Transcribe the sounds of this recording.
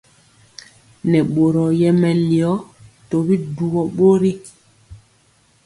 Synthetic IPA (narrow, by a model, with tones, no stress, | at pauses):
nɛ˨ɓo˨ɾɔ˨jɛ˦mɛ˨li˨ɔ˦to˨bi˦du˨wɔ˨ɓo˦ɾi˦